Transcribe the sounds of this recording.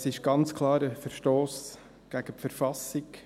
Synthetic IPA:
sɪʃɡ̥ɑnt͡skʰlɑːɾəfəɾʃtoːs | ɡ̥æɡ̥əpfəɾfɑsɪɡ

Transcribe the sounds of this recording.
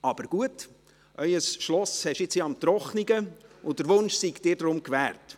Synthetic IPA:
ɑb̥əɾɡ̥uət | ʔœʏəsʃlɔshɛʃɪt͡sjeɑmt̪ɾɔχniɡəʊdəɾʋʊnʃsiɡd̥ɪːɾdɾʊmkʋæːrt

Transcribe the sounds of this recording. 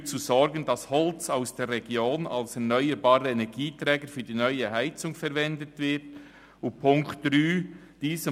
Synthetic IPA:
t͡suzɔɾɡəndɑshɔlt͡saʊsd̥eːɾʁɛɡjoːnɑ̰lsɛɐnœʏəɾbɑːɾəɛnɛɡiːtɾɛːɡəɾfyːd̥iːnœʏəhaɪt͡sʊŋfɛɾvɛndətvɪt | ʊnpʰʊŋktd̥ɾyː | d̥iːzə

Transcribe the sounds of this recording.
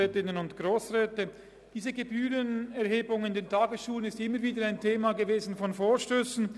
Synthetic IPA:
ɛːtɪnənʊntɡ̥ʁoːsʁɛːtə | d̥iːzəɡebyːlənɛɐheːbʊŋɪndeːntʰaːɡəsʃuːlənɪstɪmːəɾviːdəɾaɪntʰeːmaɡəveːzn̩fɔnfoːɐʃtøːsn̩

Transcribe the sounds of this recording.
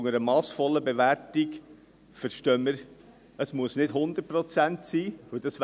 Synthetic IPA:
ŋəɾəmɑːsfɔlːəbeʋæɾtik | fəɾʃtœːməɾ | əsmuəsnɪdhʊnd̪ər̚pɾɔt͡sæntsiːʋɵld̥ɑs

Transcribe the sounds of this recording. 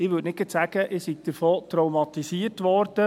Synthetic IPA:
ɪʋʏtnɪɡətsæɡəʔɪsiɡ̚d̥əɾfoːt̪ɾɔwmɑt̪isiərtʋɔɾd̥ə

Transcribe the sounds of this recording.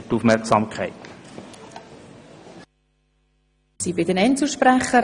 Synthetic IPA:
tufmɛɾksɑmkʰæɪt̪ | sibɪdənɛnsl̩ˠʃpɾæχːəɾ

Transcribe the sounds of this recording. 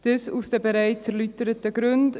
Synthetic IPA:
d̥əsusd̥ɛbəɾaɪt͡sɛɾlytəɾətəɡɾʉnd

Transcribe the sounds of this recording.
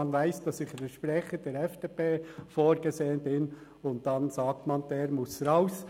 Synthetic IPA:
nvæɪsd̥ɑsɪχdɛʃpɾɛχədɛɾɛfd̥eːpeːfoːɾɡ̥ezeːənbɪn | ʊnt̚d̥ɑnsɑːk̚tmɑnd̥ɛːɾmʊsɾaʊs

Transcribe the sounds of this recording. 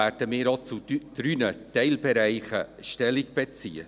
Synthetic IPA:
æɾd̥əmɪːɾot͡sud̪̥ɾynətɛɪlbɛɾæɪχə̰ʃtɛliɡb̥et͡siːə

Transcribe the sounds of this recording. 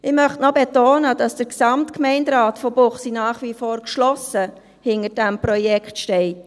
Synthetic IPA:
ʔɪmœχtnɔbetoːnəd̥ɑsd̥əɾksɑmtkmɛɪndɾɑːtfɔbʊχsinɑːχʋifoːɾkʃlɔsə | hɪnəd̥ɛmpɾɔjɛkχtʃtɛɪt

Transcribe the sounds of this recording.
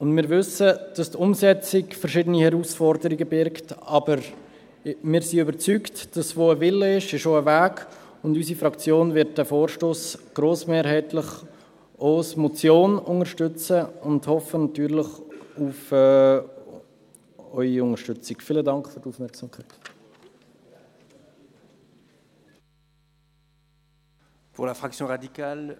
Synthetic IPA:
ʊndmɪːɾvʏsəd̥ɑstʊmsɛt͡sɪkfəɾʃɪdənihɛɾuːsfɔɾdəɾiɡəbɪɾktɑbəɾ | mɪːɾsiøbəɾt͡syktd̥ɑsvoːəvɪlːəɪʃɪʃoəvæːɡ | ʊndys̬ifɾɑkt͡sjoːnvɪɾt̚d̥æfoːɾʃtoːsɡ̥ɾoːsmeːɾhɛɪtləχ | osmɔt͡sjoːnʊŋəʃtʏt͡səʊndhɔfənɑt̪yːɾləχufː | œʏiʊŋəɾʃtʏt͡sikfiːlədɑŋkχføɾduːfmɛɾksɑmkʰaɪt | puʁlafχaksjɔ̃ʁad̪ikal

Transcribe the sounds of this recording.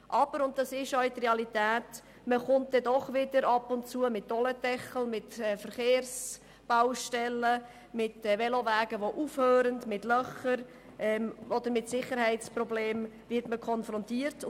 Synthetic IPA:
ʔɑb̥əɾʊnt̚d̥ɑsɪʃœɥt̪reɑlitɛːt | məχʊnt̚d̥ɛdɔχʋɪdəɾɑpʊntt͡suəmɪtːɔlətɛχl̩mɪtɛfəɾχeːrs | b̥awʃtɛlːə | mɪtvɛlovæːɡ̥əʋoʔufhøːɾəndmɪtlœχəɾ | ʔɛɔd̪əɾmɪtsɪχəɾhɛɪtt͡sprɔbleːm | vɪtməkʰɔnfɾɔntiːəɾt

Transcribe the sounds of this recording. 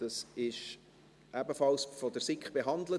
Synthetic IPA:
d̥ɑsɪʃ | ʔæbəfɑlsfɔd̪əɾsɪkχb̥eɦɑnd̪lə

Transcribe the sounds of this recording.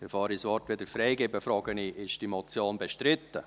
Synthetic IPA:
ɪfɑːɾisʋɔrtʋed̥əɾfɾɛɪɡɪbəfɾɑːɡ̥əniʔɪʃd̥imɔt͡sjoːnbɛʃtɾɪt̪ːə

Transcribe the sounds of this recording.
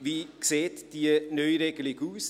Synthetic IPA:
viːkseːtd̥iənœʏɾeɡəlɪɡuːs

